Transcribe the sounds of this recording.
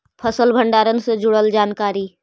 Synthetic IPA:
pʰəsəlbʱə̃ɳɖaːɾənsed͡ʒʊɽəld͡ʒaːnkaːɾiː

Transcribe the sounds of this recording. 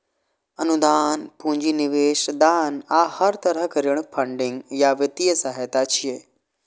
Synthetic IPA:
ɐnud̪aːnpũɲd͡ʒinɪʋeːʃd̪aːnaːhɐɾt̪ɐɾəɦkɐɾiɽ̃pʰɐɳɖɪ̃ŋɡjaʋjət̪ijəsaɦet̪at͡ʃʰijeː

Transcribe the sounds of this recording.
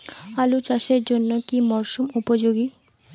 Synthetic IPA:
alut͡ɕaʃeɾd͡ʑonːokimɔɾʃumupod͡ʑoɡi

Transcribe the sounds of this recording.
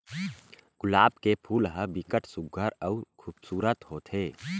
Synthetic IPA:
ɡ̥ʊlaːbkepʰuːlɦəbɪkəʈʰsʊɡʱːəɾəʊɾkʰuːbsuːɾət̪ɦoːt̪ʰeː

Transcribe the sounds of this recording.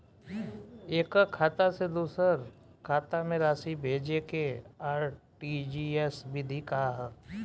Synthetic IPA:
eːkakʰaːt̪ased̪uːsəɾ | kʰaːt̪amẽɾaːsibʱeːd͡ʒekeaːɾʈid͡ʒiesbʱid̪ʱikaɦaɦɛ

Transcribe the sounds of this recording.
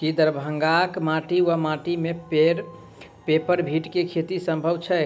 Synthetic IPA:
kid̪əɾbʱəŋɡakmaʈiwamaʈimepeɾ | pepəɾbʱiʈkekʰet̪isə̃mbʱəʋt͡ʃʰɛ

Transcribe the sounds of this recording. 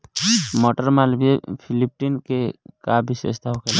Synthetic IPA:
mɔʈəɾmalbepʰilip̚ʈinkekabisḛst̪aɦokel

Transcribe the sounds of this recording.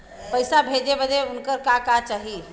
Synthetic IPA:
pəɪsabʱed͡ʒebəd̪eʊnkəɾkakat͡ʃaɦi

